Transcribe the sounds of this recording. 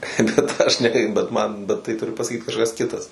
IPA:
bʲɛt ˈɐʃ nʲɛ ˈkɐɪ bʲɛt ˈmɐn bʲɛt ˈtɐɪ ˈtʊrʲɪ pɐsɐˈkʲiːt kɐʃˈkɐs ˈkʲɪtɐs

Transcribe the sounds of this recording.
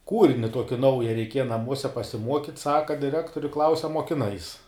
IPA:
ˈkuːrʲɪnʲɪ ˈtuɔkʲɪ ˈnɐʊjɛ rʲɛɪˈkʲiɛjɛ nɐˈmuɔsʲɛ pɐsʲɪˈmuɔkʲiːt ˈsɑːkɐ dʲɪˈrʲæːktoːrʲɪ klˠɐʊsʲ ɐ muɔkʲɪˈnɐɪs

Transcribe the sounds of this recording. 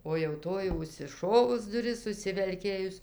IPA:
oː jɛʊ ˈtoːj jɛʊ ʊʃʲsʲɪˈʃoːʋʊs dʊˈrʲɪs ʊʃʲsʲɪʋʲɛlʲˈkʲeːjʊs

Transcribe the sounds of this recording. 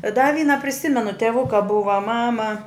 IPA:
dɐ ˈʋʲiːnɐ pʲrʲɪˈsʲɪmʲɛnʊ tʲɛˈʋʊkɐ ˈbʊʋɐ ˈmɑːmɐ

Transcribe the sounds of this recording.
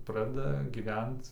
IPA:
ˈprɑːdʲɛdɐ ɡʲiːˈʋʲɛnt

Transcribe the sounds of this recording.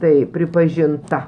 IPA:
ˈtɐɪ pʲrʲɪpɐʒʲɪnˈtɐ

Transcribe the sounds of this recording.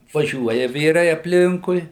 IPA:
ʋɐˈʒʲuɔjɛ ˈʋʲiːrɐɪ ɐpʲˈlʲɪŋkʊɪ

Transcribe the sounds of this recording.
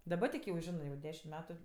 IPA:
ˈdɑːbɐ tʲɪk jɛʊ ˈʒʲɪnɜ jɛʊ ˈdʲæːʃʲɪm ˈmʲæːtʊ

